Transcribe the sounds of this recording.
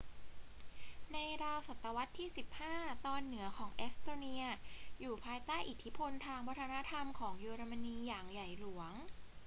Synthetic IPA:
na˧jɾaː˧wsa˨˩t̪ːa˧wa˦˥t̪ʰːiː˥˩si˨˩p̚haː˥˩t̪ɔː˧nːɯ˩˦ɐkʰɔː˩˦ŋʔe˦˥st̪oː˧ni˧ɐjuː˨˩pʰaː˧jt̪aː˥˩jʔi˨˩t̪ʰi˦˥pʰo˧nt̪ʰaː˧ŋwɔː˧˦˥t̪ʰa˧na˦˥t̪ʰa˧mkʰɔː˩˦ŋjuː˧ɾa˧ma˧niː˧jaː˨˩ŋja˨˩jlu˨˩˦əŋ

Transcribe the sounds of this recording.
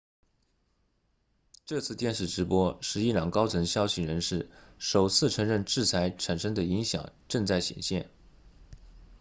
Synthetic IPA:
ʈ͡ʂɤ˥˧t͡sʰɹ̩˥˧t̪jɛ˥˧nʂɻ̩˥˩ʈ͡ʂɻ̩˧˥pwɔ˥ʂɻ̩˥˧i˥˩ljɑ˨˩ŋkɑ˥ʊt͡sʰə˧˥ŋɕjɑ˥ʊɕi˨˥ɻə˧˥nʂɻ̩˥˩ʂo˨˩ʊt͡sʰɹ̩˥˩ʈ͡ʂʰɤ˧˥ŋɻə˥˧nʈ͡ʂɻ̩˥˩t͡sʰa˧˥ɪʈ͡ʂʰa˨˩nʂə˥ŋd̪ə˨i˧˥ŋɕjɑ̰˨˩˦ŋʈ͡ʂɤ˥˧ŋt͡sa˥˩ɪɕjɛ̰˨˩nɕjɛ˥˩n

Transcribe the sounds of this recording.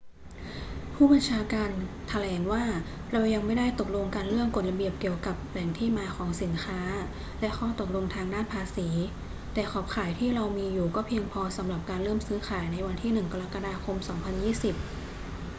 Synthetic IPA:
pʰuː˥˩ba˧nt͡ɕʰaː˧kaː˧n | t̪ʰa˧lɛː˩˦nwaː˥˩ | ɾa˧wja˧ŋma˥˩jda˥˩jt̪o˨˩k̚lo˧ŋkaː˧nlɯ˥˩əŋko˨˩t̪̚la˧bi˨˩əp̚ki˨˧˩əwka˨˩p̚lɛ˨˩˦ŋt̪ʰiː˥˩maː˧kʰɔː˩˦ŋsi˩˦nkʰaː˦˥ | lɛ˦˥kʰɔː˥˩t̪o˨˩k̚lo˧ŋt̪ʰaː˧ŋdaː˥˩npʰaː˧siː˩˦ | t̪ɛː˨˩kʰɔː˨˩p̚kʰaː˨˩˦jt̪ʰiː˥˩ɾa˧wmiː˧juː˨˩kɔː˥˩pʰi˧əŋpʰɔː˧sa˩˦mɾa˨˩p̚kaː˧nlɤː˥˩msɯː˦˥xʰaː˩˦jna˧jwa˧nt̪ʰiː˥˩nɯ˨˩ŋka˧ɾa˦˥ka˧daː˧kʰo˧msɔː˩˦ŋpʰa˧njiː˥˩si˨˩p̚

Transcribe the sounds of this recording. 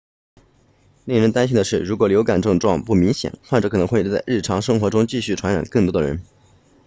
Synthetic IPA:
li˥˩ŋɻə˧˥nt̪a˥nɕi˥nd̪ə˧ʂɻ̩˥˩ɻu˧˥kwɔ˨˩ljo˧˥ʊka˨˩nʈ͡ʂɤ˥˧ŋʈ͡ʂwɑ˥˧ŋpu˥˩mi˧˥ŋɕjɛ̰˨˩˦nxwa˥˧nʈ͡ʂɤ˨˩kʰɤ˨˩nɤ˧˥ŋxwe˥˧ɪt͡sa˥˧ɪɻ̩˥˩ʈ͡ʂʰɑ˧˥ŋʂɤ˥ŋxwɔ˧˥ʈ͡ʂʊ˥ŋt͡ɕi˥˧ɕy˥˩ʈ͡ʂʰwa˧˥nɻa̰˨˩nkɤ˥˩ŋt̪wɔ˥d̪ə̰˨ɻə̰˧˥n

